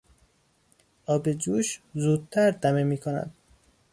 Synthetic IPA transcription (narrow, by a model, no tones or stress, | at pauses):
ʔɒːbed͡ʒuːʃzuːd̪̚t̪ʰæɾd̪æmemiːkʰonæ̰d̪̥̚